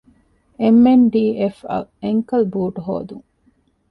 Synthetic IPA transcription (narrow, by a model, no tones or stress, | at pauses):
emːenɖiːefɐ̰eŋkɐlbuːʈɦo̰ːd̪uŋ